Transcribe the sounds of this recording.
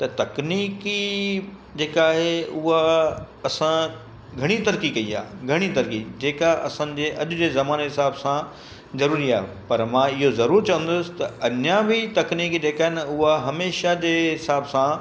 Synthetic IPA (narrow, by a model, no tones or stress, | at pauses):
t̪ɐt̪ɐkniːki | d͡ʑeːkaːɦeʊɦa | ɐsã | ɡʱɐɽ̃it̪ɐɾkikɐia̰ːɡʱɐɽ̃it̪ɐɾkid͡ʑeːkaʔɐ̰sã̆ːd͡ʑeːʔɐʄʊd͡ʑezɐmaːneɦɪsaːbsã | zɐɾuːɾiaːɦḛ | pɐɾmãɪɦozɐɾuːɾt͡ɕɐʋə̃nd̪ʊsɪ̥t̪ɐɐɲjabʱɪt̪ɐkniːkd͡ʑeːkaːɦenʊɦaɦɐmeːʃad͡ʑeːɦɪsaːbsã